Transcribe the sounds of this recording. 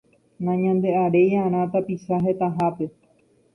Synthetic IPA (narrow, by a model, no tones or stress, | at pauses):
nãɲãnd̪e̞aɾe̞jaɾ̃ãt̪apiʃaɦe̞t̪aɦape̞